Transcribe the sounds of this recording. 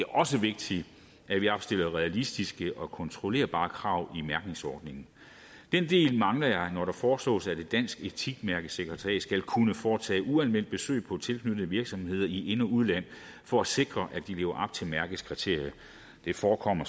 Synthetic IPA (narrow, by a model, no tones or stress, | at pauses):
d̥e̝æɐʔɒ̽səʋe̝ɡ̥̚d̥i | æʋiɑb̥sd̥e̝l̰ɐʁɛælisd̥isɡ̥əʔɒ̽kʰɒ̽nt͡sʰʁo̝le̝̰ːɐb̥ɑ̈ːkʰʁɑ̈ʊ̰imæɐɡ̥ne̝ŋsɒːd̥ne̝ŋn̩ | d̥end̥e̝̰ːlmɑ̈ŋlɐjɑ̈ɪnɒɾ̥ɑ̈fɒːslɔ̰ːsæd̥e̝d̥æn̰sɡ̥e̝t͡sʰiɡ̥mæɐɡ̥əseɡ̥ʁɐt͡sʰɛ̰ːsɡ̥ælkʰunəfɒːt͡sʰɛ̰ːʔuælmen̰d̥̚b̥e̝sø̰ːɪpʰɒ̽t͡sʰe̝lkʰnyd̥n̩əʋiɐɡ̥sɒ̽mhe̝ð̞̰ˠɐie̝nɐuð̞ˠlæn̰ | fɒ̽æse̝ɡ̥ʁɐʔæd̥ile̝ːʊɐʔɑ̈b̥̚t͡sʰe̝mæɐɡ̥əð̩ˠskʰʁit͡sʰe̝̰ɐ̰jɐ | d̥e̝fɒːkʰɒ̽m̰ɐ